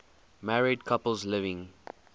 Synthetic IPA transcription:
mæɹid̚kʰʌpəl̩ˠzlɪvɪ̃ŋ

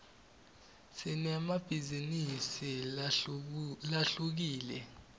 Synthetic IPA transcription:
sinɛmab̥ʱizinisi | laɬuk̬iːlɛ

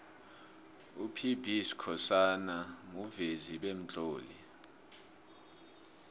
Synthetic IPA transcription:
upʰibʱiskʰɔsanaŋuveziɓem̩t͡ɬʼoːlḭ

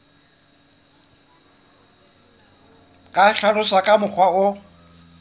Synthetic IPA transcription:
kʼaɬalʊsakʼamʊk͡xʰwaʊ

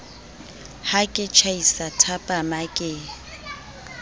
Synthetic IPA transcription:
hakʼɪt͡ʃʰaisatʰapʼamakʼɪ

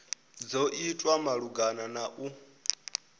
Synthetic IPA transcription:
d͡zɔʔitʼwamaɺuɡananaʔu

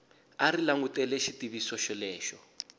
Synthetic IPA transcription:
aɾilaŋutɛlɛʃitiβisɔʃɔlɛːʃɔ

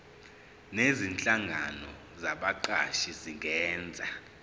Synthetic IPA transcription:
nezint͡ɬʼaŋɡʱanɔ | zaɓaǃaʃiziŋɛːnd͡zʱa

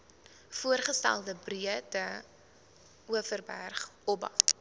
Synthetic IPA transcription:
fuərχəstæ̰lˠdəbriətə | uəfərbærχɔbɐ̰t

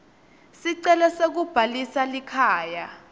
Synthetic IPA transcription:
siǀɛlɛsek̬ub̥ʱalisalikʰaːja

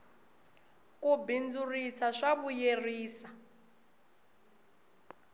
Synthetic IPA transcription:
kubind͡zurisaʂaβujeriːsa

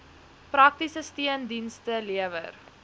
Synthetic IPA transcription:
prɐk̚tisəstiəndinstəliəvə̰r

